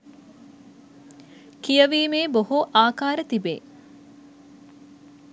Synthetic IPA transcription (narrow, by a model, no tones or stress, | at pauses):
kijəʋiːmeːboɦuʔaːkaːɾət̪ibḛː